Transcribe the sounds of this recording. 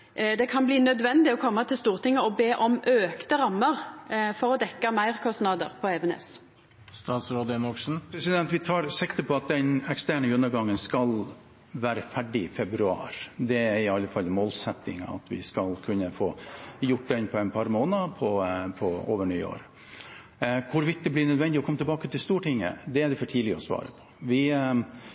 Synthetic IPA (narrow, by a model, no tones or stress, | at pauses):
d̪ɛkʰɑnbliːnœd̪ʋɛnd̪ɪɔkʰɔmːɑt̪ʰɪlst̪uːʁt̪ɪŋːəɔbeːʔɔmøːkt̪əɾɑmːəʁfɔʁɔd̪ɛkːɑmæɪʁkʰɔst̪nɑd̪ə̰ʁpʰɔɛbɛnɛ̰s | st̪ɑːt̪sɾoːd̪əɛmɔkʂn̩pʰɾɛsɪd̪ɛnt̪ʋɪt̪ʰɑːɾsɪkt̪əpʰɔɑt̪̚d̪ɛnɛkst̪æːɳəɡʉnːəɾɡɑŋːənskɑl | ʋæːɾəfæɖɪɪfɛbɾʉɑ̰ːɾd̪ɛæɾɪɑlːəfɑlːmoːlsɛt̪ːɪ̰ŋɑ̰ɑ̰t̪ʋɪ̰skɑlkʰʉnːəfoːjʊʈ̚ːd̪ɛnpʰɔɛɪnpʰɑɾmoːnəpʰɔpʰɔo̰ːʋəɳy̰ːo̰ːɾ | kʰʊɾʋɪt̪̚d̪ɛblɪɳœd̪ʋɛnd̪ɪɔkʰɔmət̪ɛbɑːkət̪ɪlst̪uːʈɪŋːə̰d̪ɛæɖ̪ɛfɔʈʰiːdlɪəɔsʋɑ̰ːɾəpʰɔ̥ʋɪ